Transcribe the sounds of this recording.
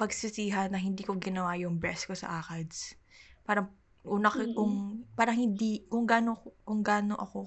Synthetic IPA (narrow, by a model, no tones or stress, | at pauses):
pɐɡsɪsiːɦɐnːɐhɪnd̪iːkoɡɪnɐwaːjʊŋbɛskosɐ̰ʔaːkɐd̪spaːɾɐŋ | ʔuːnɐkkʊŋpaːɾɐŋhɪnd̪ikʊŋɡaːnoʊŋɡaːnoʔɐko̞